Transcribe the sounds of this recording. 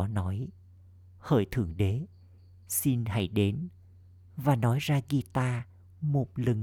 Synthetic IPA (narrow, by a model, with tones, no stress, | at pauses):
nɔ˨˦j | hə̰ː˧˩jt̪ʰɨ̰˧˩əŋɗe˨˦ | si˧nha̰˧˥˩jɗe˨˦n | vaː˨˩nɔ˨˦jzaː˧ɣi˧t̪aː˧ | mo˨˩t̚lɨ˨˩ŋ